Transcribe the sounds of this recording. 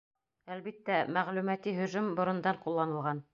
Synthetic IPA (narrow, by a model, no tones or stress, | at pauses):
ælβit̪ːæmæʁlʉmæt̪iɦɵ̆ʒɵmbŏɾŏnd̪ɑɴqulˠːɑnɤ̆lˠʁɑn